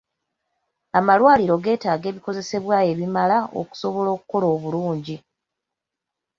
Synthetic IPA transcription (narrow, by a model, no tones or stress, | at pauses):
amalwaːliɾo̞ɡe̞ːtaːɡe̞ːβiko̞ze̞se̞βwaːe̞βimalao̰ku̥so̞βo̞lo̞ːkuko̞loːβuluːɲɟi